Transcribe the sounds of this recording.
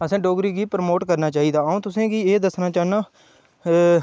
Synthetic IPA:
əsãːɖoːɡɾiːɡiːpɾmoːʈkəɾnaːt͡ʃaːiːd̪aːõːt̪ʊsẽːkɪeːd̪əsnaːt͡ʃaːnaː

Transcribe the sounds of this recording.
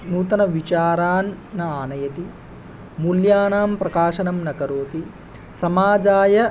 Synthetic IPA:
nuːt̪ɐnɐʋit͡ʃaːɾaːnːɐaːnɐjɐt̪i | muljaːnaːmpɾɐkaːʃɐnɐmnɐkɐɾoːt̪i | sɐmaːd͡ʒaːjɐ

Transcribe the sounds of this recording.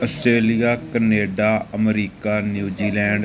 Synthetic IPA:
əsʈɾeːlijaːkəneːɖaːəmɾiːkaːnjuːd͡ʒiːlɛ̃ːɳɖ

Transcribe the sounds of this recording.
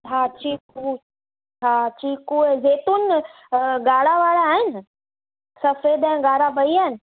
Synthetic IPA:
aːt͡ɕiːku | t͡ɕʰaːt͡ɕiːkuːezeːt̪un | ɡaːɽaʋaːɽaːɦɪnɪ | sɐfed̪ɛ̃ɪ̃ɡaːɽabɐiaːɦɪn̆

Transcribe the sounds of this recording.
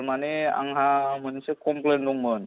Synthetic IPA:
ɾmanea̰ŋɦam̤ənsekɔmpleɳɖuŋmən

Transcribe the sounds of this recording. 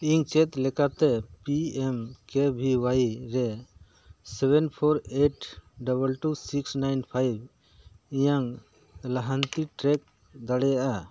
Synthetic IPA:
iŋt͡ʃɛt̪lɛkat̪ɛpiɛmkebʱiwajɾɛ | sɛbʱɛnpʰɔɾeʈɖabəlʈusiksnajnpʰajb̚ | ijaŋ | laɦant̪iʈɾɛk̚ | d̪aɽɛjaʔa

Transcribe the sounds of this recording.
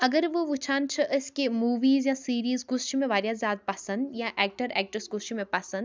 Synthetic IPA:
ɐɡəɾʋoʋʊt͡ʃʰaːnt͡ʃʰɐʔəskemuːʋiːzjãsiːɾiːzɡʊsʃimẽʋaːɾjazjaːd̪̚pɐsə̃nd̪jãʔɛːk̚ʈəɾɛːk̚ʈɾəsɡʊsʃimẽpɐsə̃nd̪

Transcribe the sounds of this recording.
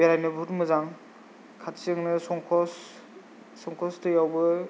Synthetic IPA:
beɾajnɯbʱutmɯzaŋ | kʰatsiɯŋnɯsɔŋkʰɔsː | ɔŋkʰɔstɯjawbɯ

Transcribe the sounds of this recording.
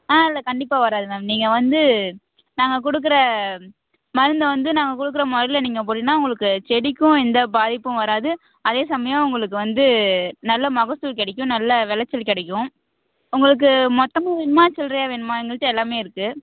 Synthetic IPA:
aːɪlːɐkɐɳɖɪpːaːʋɐɾaːðɯmɛmniːŋɡɐʋɐnd̪ɯ | naːŋɡɐk̬ɔɽɯk̬ːɯɾɐ | mɐɾɯnd̪ɐʋɐnd̪ɯnaːŋɡɐkɔɽɯk̬ːɯɾɐmɔɾɐɪlɐniːŋɡɐp̬oːɽnːaːʊŋɡɐɭɯkːɯt͡ʃɛɽɪkʲːʊ̃ɛnd̪ɐbaːðɪpːɯ̃ʋɐɾaːðɯ | ɐðeːsɐmɐjɐ̃mʊŋɡɐɭɯkːɯʋɐnd̪ɯnɐlːɐmɐɣɐst̪uːɾk̬ɛɽɛkːʊ̃nɐlːɐʋɛlɐt͡ʃːɐlkɛɽɛkʲːʊ̃ | ʊŋɡɐɭɯk̬ːɯmɔt̪ːɐmɐʋɛnmaːt͡ʃɛlɾɐjaːʋɛnmaːɛŋɡɐɭʈːɐ̃ɛlːaːmeːɪɾɯkːɯ

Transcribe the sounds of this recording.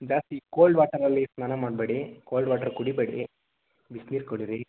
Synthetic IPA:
d͡ʒaːst̪ikoːlɖʋaːʈɐɾɐlːisnaːnɐmaːɖbeɽikoːlɖʋaːʈɐɾkuɽibeɽḭ | ʋisniːɾkoɽiɾi

